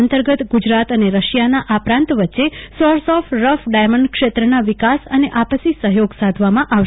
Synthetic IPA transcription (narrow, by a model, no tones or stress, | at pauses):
ənt̪əɾɡət̪ɡud͡ʒɾat̪əneɾəʃjanaʔapɾãnt̪ʋətːʃesɔɾsɔfɾəfɖajməɳɖkʃet̪ɾənaʋɪkasəneʔapəsisəɦjoɡsad̪ʱʋamãʔa